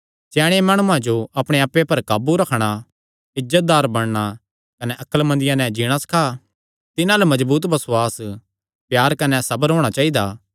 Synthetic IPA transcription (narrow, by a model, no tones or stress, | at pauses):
t͡ʃɛːɽ̃emaːɽ̃ũãd͡ʒoɐpɽ̃eaːpːepɐɾkaːbuɾɐkʰɽ̃a | ɪzət̪̚d̪aːɾbɐɽ̃ɽ̃a | kɐnɛʔɐkəlmɐ̃nd̪ɪjãnɛ̃d͡ʒiɽ̃asɐ̥kʰa | t̪ɪnãlɐmɐzbuːt̪bɐsʊaːs | pjaːɾkɐnɛsɐbəɾɦoːɽ̃at͡ʃaːid̪aː